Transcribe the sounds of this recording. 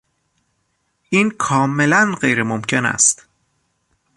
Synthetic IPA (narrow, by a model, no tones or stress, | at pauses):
ʔiːnkʰɒːme̞lænɢejɾemomcʰe̞næ̰st̪